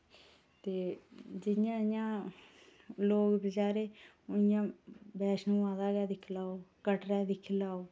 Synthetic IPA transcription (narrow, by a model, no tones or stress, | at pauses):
t̪eːd͡ʒɪjãːjãː | loːɡbət͡ʃaːɾeː | ʊjãːbɛːʃnũːãːd̪aːɡɛːd̪ɪkʰlaːoːkəʈɾɛːd̪ɪkʰlaːoː